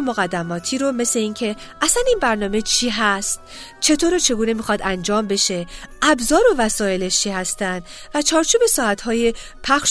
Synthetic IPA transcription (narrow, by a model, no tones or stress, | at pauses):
moɣæd̪ːæmɒːt̪ʰiːɾome̞sle̞iːncʰe̞ | ʔæsæniːnbæɾnɒːme̞t͡ʃʰiːɦæst̪̚ | t͡ʃʰe̞t̪ʰoːɾot͡ʃʰe̞ɡuːnemiːxɒd̪ænd͡ʒɒːmbe̞ʃe̞ʔæbzɒːɾovæsɒːe̞leʃt͡ʃʰiːhæst̪ænd̪væt͡ʃʰɒːɾt͡ʃʰuːbe̞sɒːæt̪hɒːje | pʰæxʃ